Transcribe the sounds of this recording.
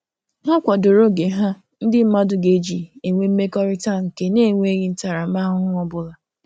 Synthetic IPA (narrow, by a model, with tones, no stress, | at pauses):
ɦa˦kʷa˨do˨ɾo˦ɡe˨ɦa˦ | n̩˦dɪ˦m̩˦ma˦dʊ˨ɡe˦d͡ʒi˨e˨ŋʷe˦m̩˦me˦kɔ˦ɾɪ˦ta˦˨ŋ̩˨ke˦ne˦˨ŋʷe˦ɲi˦n̩˦ta˨ɾa˨ma˦ɦʊ˦ʊ˦ɔ˦bʊ˦la˨